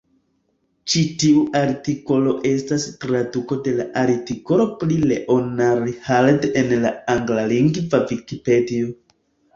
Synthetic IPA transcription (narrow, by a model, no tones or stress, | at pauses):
t͡ʃitiuʔaɾtiko̞lo̞ʔe̞stastɾaduko̞de̞laʔaɾtiko̞lo̞plileʔonaɾihaldenlaaŋɡlaliŋɡvavikipedio